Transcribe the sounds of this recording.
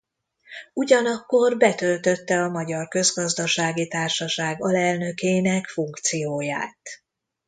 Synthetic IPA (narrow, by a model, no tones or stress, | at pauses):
uɟɒnɒkːo̞rbɛt̪ø̞lt̪ø̞t̪ːɛɒmɒɟɒrkø̞zɡɒzd̪ɒʃaːɡit̪aːrʃɒʃaːɡɒlɛlnø̞keːnɛkfuŋkt̪sijoːja̰ːt̪